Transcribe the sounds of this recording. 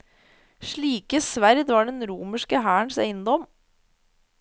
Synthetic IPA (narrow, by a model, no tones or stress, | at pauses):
ʃɭiːkəsʋæɾd̪ʋɑːɖɛnɾuːməʂkəɦæːəɳsæ̰ɪənd̪ɔm